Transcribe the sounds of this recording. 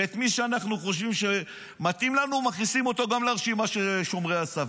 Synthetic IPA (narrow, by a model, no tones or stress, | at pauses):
et̪miʃeanaχnuχo̞ʃ̬vimʃe | mat̪imlanumaχnisimo̞t̪o̞ɡamleaʁʃimaʃeʃo̞mʁeasa